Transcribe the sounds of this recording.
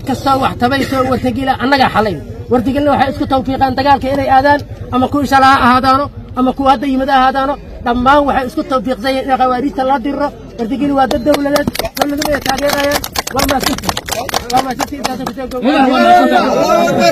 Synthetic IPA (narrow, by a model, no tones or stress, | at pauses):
kʰɐst̪ʰɔwɑħt̪ʰɐβɛjsɔːwɐrt̪ʰɐɣiːlɐʔɐnːɐɣɐħɑlɛjnwɐrt̪ɐɣiːlnɐwɑħɑjɪskʰʊt̪ɐwfiːqɑːnd̪ɐɣaːlkʰɐɪnɛjaːðaːnʔɐmɐkʊʃɐlɐhɐʔɐhaːðaːnɔʔɐmɐkʰʊwhɐd̪ːɐimɐðɐɐhaːðaːnɔ | ɖɐmːaːnwɑħɑjɪskʰʊt̪ʰɐwfiːqsɐjaːnɪnɐqɐwaːɾiːst̪ʰɐlɐd̪ɪrɔ | wɐrt̪ʰɐɣiːlwaːd̪ɐd̪ːɐwlɐðɛːd̪d̪ɐwlɐðʊmɐjɛjt̪ʰaːɣɛːɾɐjaːnwɐrmaːsɪt̪ɪwɐrmaːsɪt̪ʰɪɪsaːs̬ɐŋkʰʊsɔːɡɔwwɐɾmaɐt̪ɐɔ